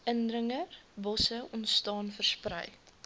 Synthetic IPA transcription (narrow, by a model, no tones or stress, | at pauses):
əndrəŋərbɔsəʔɔntstɑːnfərsprɛ̰j